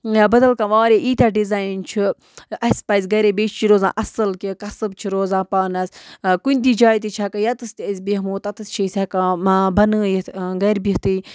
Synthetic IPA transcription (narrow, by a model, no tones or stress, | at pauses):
jaːbɐd̪ɐlkãʋaːɾʲeʔiːt̪ʲaɖizaːjnt͡ʃʰi | ɐsʲpɐzʲɡɐɾebet͡ʃt͡ʃiɾoːzã̰ːʔɐsɨlkikɐsɨbt͡ʃʰiɾoːzãːpaːnɐskunʲd̪iːd͡ʒaːjt̪it͡ʃʰakajɐt̪ɨst̪ʲiəzʲbiɦmoːt̪ɐt̪ɨst͡ʃʰisʲakãbɐnɨːjit̪ɡɐɾbiht̪i